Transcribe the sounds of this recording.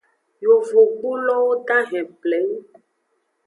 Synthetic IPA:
jo˨vo˨ɡ͡bu˦lɔ˦wo˦tã˦ɦɛ̃˨plɛ˨˦ŋ˦

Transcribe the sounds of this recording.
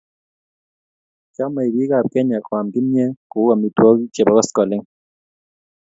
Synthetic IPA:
kjɔ˦ma˨i˨bi˦ka˨p̚kɛ˦ɲa˨kwa˨mki˦mjɛ˦ku˨˦a˨mi˨twɔ˦ki˦t͡ʃe˨bɔ˦kɔ˦skɔ˨le˦ŋ

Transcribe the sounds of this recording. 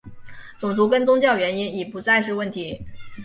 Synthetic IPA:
t͡sʊ˨˩ŋt͡su˧˥kə˥nt͡sʊ˥ŋt͡ɕjɑ˥˩ʊɥɛ˧˥ni˥ni˨˩pu˧˥t͡sa˥˧ɪʂɻ̩˥˧wə˥˩nt̪ʰi˧˥

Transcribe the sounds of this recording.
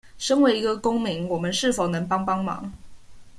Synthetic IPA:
ʂə˥ŋwe˧˥ɪi˧˥ɡə˧kʊ˥ŋmi˨˧˥ŋwɔ˨˩mə˦nʂɻ̩˥˩fo˨˩ʊnɤ˧˥ŋpɑ˥ŋpɑ˥ŋmɑ̰˨˥˦ŋ

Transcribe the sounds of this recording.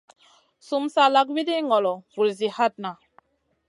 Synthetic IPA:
su˨msa˨la˦kwi˦di˦ŋɔ˨lɔ˨wu˨ɾzi˨ha˦˨t̚na˨

